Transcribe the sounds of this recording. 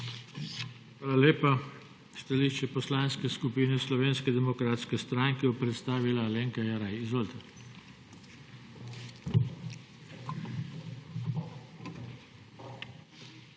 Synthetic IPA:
xʋaːlaleːpa | st̪aliːʃt͡ʃɛpɔslaːnskɛskupiːnɛslɔʋeːnskɛd̪ɛmɔkɾaːt̪skɛst̪ɾaːŋkɛjɔpɾɛt̪st̪aːʋilaleːŋkajaɾajizʋolt̪a

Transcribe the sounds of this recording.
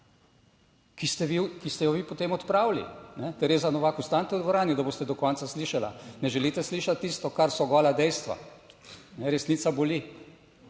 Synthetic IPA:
kist̪ɛʋikist̪ɛjɔʋiːpɔt̪eːmɔt̪pɾaːwlḭnɛt̪ɛɾeːzanɔʋakust̪ant̪ɛud̪ʋɔɾaːnjud̪aboːst̪ɛd̪ɔkɔnt̪sasliːʃala̰nɛʒɛlit̪ɛsliːʃat̪ːist̪ɔkaɾsɔɡɔːlad̪ɛjst̪ʋa̰ | nɛɾɛsniːt̪saboli

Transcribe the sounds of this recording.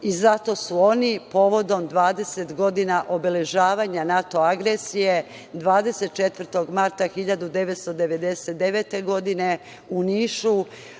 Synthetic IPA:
izat̪o̞suo̞nipo̞ːʋo̞d̪o̞md̪ʋaːd̪e̞set̪ɡo̞d̪inaʔo̞bele̞ʒaːʋaːɲanat̪o̞aɡɾesije̞ | d̪ʋaːd̪e̞se̞t̪̚t͡ʃet̪ʋər̩t̪o̞ɡmaɾt̪axiʎad̪ud̪e̞ʋet̪st̪o̞d̪eʋe̞d̪e̞set̪̚d̪eʋet̪e̞ɡo̞d̪ine̞ | uniːʃu

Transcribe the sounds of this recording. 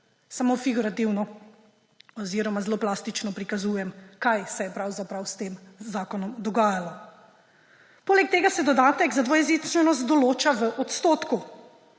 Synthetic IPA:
samofiɡuɾat̪iwnɔ | ɔziːɾɔmazloːplast̪it͡ʃnɔpɾikazujɛmkajsɛjɛpɾawzapɾawst̪eːmzaːkɔnɔmd̪ɔɡaːjalɔ | poːlɛk̚t̪eːɡasɛd̪ɔd̪aːt̪ɛɡzad̪ʋɔjɛzit͡ʃ̪ʋɛnɔst̪̚d̪ɔloːt͡ʃaʋəʔɔt̪st̪oːt̪ku

